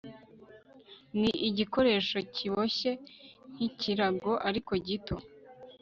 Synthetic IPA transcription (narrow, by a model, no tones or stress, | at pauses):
niʔiɟiko̞ɾe̞ːʃo̞ciβo̞ɕe̞n̥icʰiɾaɡo̞ʔaɾiko̞ɟitʰo